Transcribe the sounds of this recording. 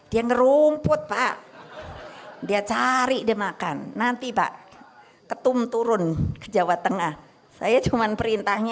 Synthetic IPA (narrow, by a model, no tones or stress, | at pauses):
d̥iaŋəɾumpʊt̪̚paʔ | diat͡ʃaɾiʔdemakanːant̪ipa̰ʔ | kət̪ʊmt̪uɾʊnkəd͡ʒawat̪əŋah | sa̰jat͡ʃumanpəɾint̪ahɲa